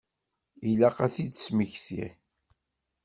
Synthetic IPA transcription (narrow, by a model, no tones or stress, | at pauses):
ilæqæθidsməçθḭ